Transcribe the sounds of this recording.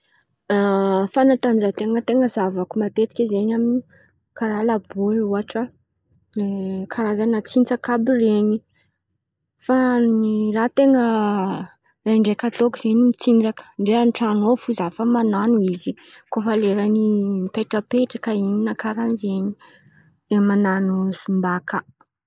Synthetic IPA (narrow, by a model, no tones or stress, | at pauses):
fanat̪anizat̪eŋət̪eŋəzavakumat̪et̪i̥kʲizeɲamini | kaɾalaboluaʈ͡ʂa | ekʰaɾazanat͡sint͡sakabireɲi | fanirat̪eŋə | reɳɖ͡ʐekat̪okuz̥eɲimit͡sind͡zakə̥ɳɖ͡ʐeanʈ͡ʂanofuzafəmananuizi | kofaleɾanimpeʈ͡ʂəpeʈ͡ʂakaininakaɾanzeɲi | emananusumbakə